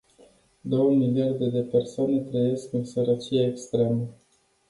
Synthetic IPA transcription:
d̪o̞wəmiliard̪e̞d̪e̞pe̞rsoane̞t̪ɾəje̞skɨnsəɾət͡ʃijeːkst̪ɾe̞mə

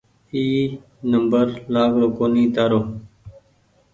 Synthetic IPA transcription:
iː | nəmbəɾlaːɡɽoːkoːniːt̪aːɾoː

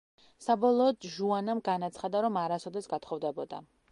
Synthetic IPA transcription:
sabɔlˠɔːd̪ʒuanamɡanat̪sʰχad̪aɾɔmaɾasɔd̪ɛsɡat̪ʰχɔvd̪ɛbɔd̪a̰

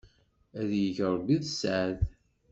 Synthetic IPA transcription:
æðjəʝɾˤbiðsʕəð

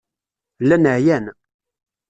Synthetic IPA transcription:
lːænʕjæn

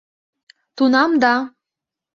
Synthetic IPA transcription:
t̪unɑmd̪ɑ

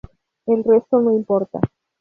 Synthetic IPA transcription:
elrest̪o̞noimpo̞ɾt̪a̰

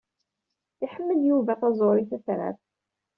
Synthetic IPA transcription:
iħəmːəljuvæθæzˤoɾiθæθɾæ̰θ

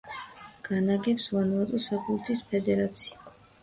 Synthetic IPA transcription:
ɡ̥anaɡɛpsvanɔat̪ʼuspʰɛpʰuɾt̪ʰispʰɛd̪ɛɾat̪sʰi̥a

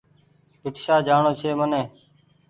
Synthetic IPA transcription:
pɪʈʃaːd͡ʒaːɳoːt͡ʃʰeːmənẽː

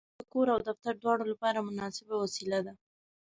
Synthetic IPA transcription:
əkoɾawd̪aft̪aɾd̪wɑɽolapɑɾamʊnɑsɪbawasilad̪a

